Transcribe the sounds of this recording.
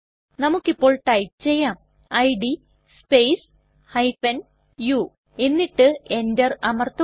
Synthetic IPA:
nɐmukːipːo̞ːɭʈɐjp̚t͡ɕe̞jːaːm | ɐjɖi | spejs | hɐjpɐn | ju | e̞nːiʈːɨendɐrɐmɐrt̪ːɐ

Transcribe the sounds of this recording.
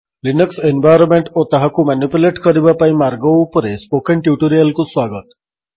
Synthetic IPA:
linəksenʋajɾomeɳʈot̪aɦakumanjupuleʈkʰəɾibapaimaɾɡəpəɾespokeɳʈjuʈoɾijəlkũsʋaɡət̪

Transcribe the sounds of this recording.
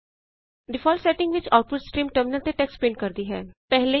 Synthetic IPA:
ɖɪfʰɔːlsɛːʈɪ̃ŋɡʋɪt͡ʃaːʊʈ̚pʊɖsʈɾiːmʈəɾmɪnəlt̪eʈɛːkspẽːɳɖ̚kəɾd̪iɦɛ̰ːpɛɦle

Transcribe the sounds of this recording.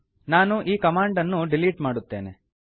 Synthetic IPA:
naːnuʔiːkɐmaːɳɖɐnːuɖiliːʈmaːɽut̪ːeːne

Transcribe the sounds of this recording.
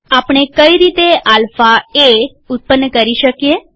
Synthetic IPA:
apɽ̃ekəiɾit̪eʔalfae | ʊt̪̚pənːəkəɾiʃəkije

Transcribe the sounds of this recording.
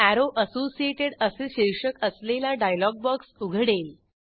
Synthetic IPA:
æɾoʔəsosieʈeɽəseɕeɾʂəkəslelaɖajlɔɡ̚bɔksuɡʱɽel

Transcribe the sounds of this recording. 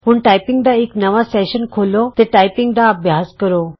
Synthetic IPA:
muːɳʈajpiŋɡɖaeknəʋasɛɕənkʰolot̪eʈajpiŋɡɖ̪aəbʱjaskəɾo

